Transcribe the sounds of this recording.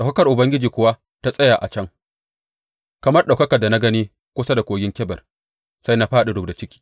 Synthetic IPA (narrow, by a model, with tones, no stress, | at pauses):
ɗa˨wkɐ˦kɐ˨rʔʊ˨bɐ˦ŋɡʲɪ˦d͡ʒiː˨kʷʊ˦wa˦ | ta˦sʼɐ˦jaː˨ʔa̰˨t͡ʃɐ˦ŋ | kɐ˨mɐ˦rɗa˨kɐ˦kɐ˨rda˨na˦ɡɐ˦niː˦ | kʷʊ˦sa˦da˨kʷoː˨jɪ˦ŋkʲɛ˦bɐ˨r | sa˦jna˦ɸaː˦ɗe˨dʊ˨bda˨t͡ʃɪ˦kʲi̥ː˨